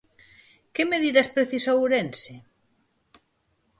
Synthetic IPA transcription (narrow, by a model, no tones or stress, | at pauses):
kemeðiðɐspɾeθisawuɾense